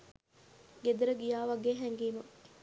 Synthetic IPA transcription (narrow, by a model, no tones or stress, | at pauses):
ɡed̪uɾəɡijaːʋaɡeɦɛŋɡiːmɐ